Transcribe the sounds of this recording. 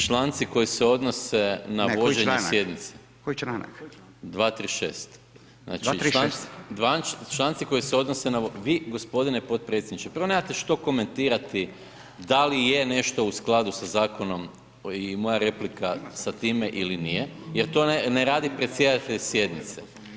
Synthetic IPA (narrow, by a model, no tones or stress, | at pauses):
t͡ʃlaːnt̪siko̞jiseo̞d̪no̞senaʋo̞d͡ʒeɲesje̞d̪nit̪se | ko | d̪ʋaːt̪ɾiʃḛːst̪ | na̰ːt͡ʃiɾand̪ʋat͡ʃlˠaːnt̪siko̞jiseo̞d̪nosenaoʋiːɡo̞spo̞d̪inepo̞t̪̚pɾet̪sʲjed̪nit͡ʃepɾr̩ʋonemat̪e̞ʃt̪o̞ko̞ment̪iːɾat̪i | d̪alijene̞ʃt̪o̞usklˠad̪usazaːko̞no̞m | imo̞jaɾe̞plikasat̪iːmeʔilinijejeɾt̪o̞neɾaːd̪ipɾet̪sje̞d̪at̪eʎesje̞d̪nit̪se